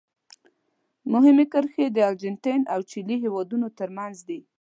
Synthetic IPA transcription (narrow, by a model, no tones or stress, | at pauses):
mʊɦɪmekəɾxed̪əald͡ʒɪnt̪ajnawt͡ʃiliɦewɑd̪unot̪əɾmanzd̪i